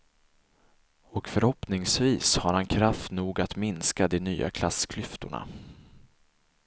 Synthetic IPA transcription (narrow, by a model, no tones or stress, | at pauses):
ɔkfœɾhɔpnɪŋsviːshaɾhankʰɾaft̪nuːɡat̪mɪnskad̪ɛnyːa̰kʰlaskʰlʏft̪ʊɳa̰